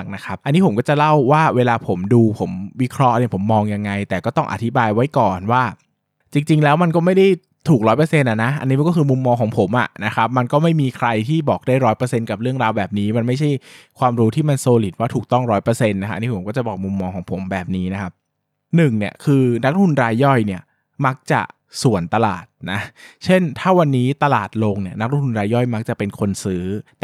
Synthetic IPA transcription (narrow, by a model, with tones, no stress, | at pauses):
k̚na˦˥kʰa˦˥p̚ʔa˧nːiː˦˥pʰo˩˦mkɔː˥˩t͡ɕa˨˩la˥˩wːaː˥˩weː˧laː˧pʰo˩˦mduː˧pʰo˩˦mwi˦˥kʰɾɔ˦˥ʔn˧i˧˩pʰo˩˦mːɔː˧ŋja˧ŋːa˧jt̪ɛː˨˩kɔː˥˩t̪ɔ˥˩ŋʔa̰˨˩t̪ʰi˦˥baː˧jwa˦˥jkɔː˨˩nwaː˥˩ | t͡ɕi˧ŋt͡ɕi˧ŋlɛː˦˥wma˧nkɔː˥˩ma˥˩jda˥˩j | t̪ʰuː˨˩k̚ɾɔː˦˥jpɤː˧se˧nʔa˨˩na˦˥ʔa̰˧nːi˦˥˧kɔ˥˩kʰɯː˧mu˧mːɔː˧ŋkʰɔː˩˦ŋpʰo˩˦mʔa̰˨˩na˦˥kʰa˦˥p̚ma˧nkɔː˥˩ma˥˩jmiː˧kʰɾa˧jt̪ʰiː˥˩bɔː˨˩k̚daː˥˩jɾɔː˦˥jpɤː˧se˧nka˨˩p̚ɾɯ˥˩əŋɾaː˧wbɛː˨˩p̚niː˦˥ma˧nma˥˩jt͡ɕʰa˥˩jkʰwaː˧mɾuː˦˥t̪ʰiː˥˩ma˧nsoː˧li˨˩t̪̚waː˥˩uː˨˩k̚t̪ɔ˥˩ŋɾɔː˦˥jpɤː˧se˧nːa˦kʰa˦˥ʔa˧ni˦˥pʰo˩˦mkɔ˥˩t͡ɕa˨˩bɔː˨˩k̚mu˧mːɔː˧ŋkʰɔː˩˦ŋpʰo˩˦mbɛː˨˩p̚niː˦˥na˦˥kʰa˦˥p̚ | nɯ˨˩ŋni˨˩əkʰɯː˧na˦˥k̚ɾt̪ʰu˧nɾaː˧jːɔ˥˩jni˥˩ɐ | ma˦˥k̚t͡ɕa̰˨˩ | su˨˩˦ənt̪a˧la̰ː˨˩t̪̚na˦˥t͡ɕʰe˥˩nt̪ʰaː˥˩wa˧nːiː˦˥t̪a˧laː˨˩t̪̚lo˧ŋni˨˩ɐna˦˥kɾt̪ʰu˧nɾaː˧jːɔ˥˩jma˦˥k̚t͡ɕa˨˩pe˧nkʰo˧nsɯː˦˥